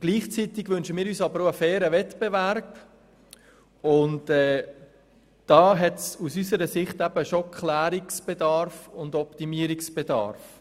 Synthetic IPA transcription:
ɡ̥liːχt͡sitɪɡʋʏnʃəmiːɾyːsɑbəɾoəfɛːɾəvɛtb̥evæɾp | ʊntɛː | d̥ɑːɦɛtsusysəɾəsɪχtæbəʃokʰlæːɾiksb̥ɛdɑɾfʊndɔptimiːəɾiksb̥ɛdɑ̰ːɾf

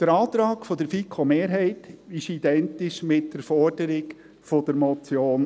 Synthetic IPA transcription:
d̪̥əɾɑːt̪ɾɑːkfɔd̥̪əɾfikʰomeːɾɦɛɪtɪʃid̥ɛntɪʃmɪt̚d̥əɾfɔrd̥əɾɪɡ | fɔd̥əɾmɔt͡sjoːn

